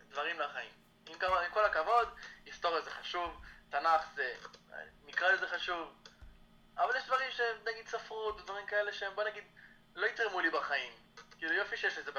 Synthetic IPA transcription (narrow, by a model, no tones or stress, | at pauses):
d̪vaʁimlaχaḭm | imkavimko̞lakavo̞d̪ist̪o̞ʁjazeχaʃuvt̪anaχzḛnikʁalezeχaʃuv | avaljɛʃd̪vaʁimʃeemnaɡid̪safʁut̪d̪vaʁimkaeleʃeembonaɡid̪ | lo̞it̪ʁemulibaχaim | kiːlujo̞fiʃejɛʃlezeb